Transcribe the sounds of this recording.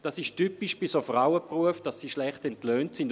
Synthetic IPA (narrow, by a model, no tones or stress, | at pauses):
d̥ɑsɪʃtypiʃb̥isofʁaʊəpruəfd̥ɑsːiːʃlɛχtɛntløːntsɪnd